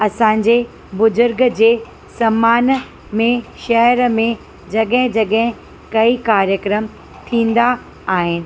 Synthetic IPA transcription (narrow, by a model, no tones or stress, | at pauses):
ɐsãːɲ̆d͡ʑe | bʊzʊɾɡd͡ʑeː | sɐmaːn | mẽʃɐɦɾmẽ | d͡ʑɐɠɦɪ̃d͡ʑɐɠɦɪ̃ | kɐikaːɾjəkɾəm | t̪ʰĩːnd̪aː | ɦɪnɪ̆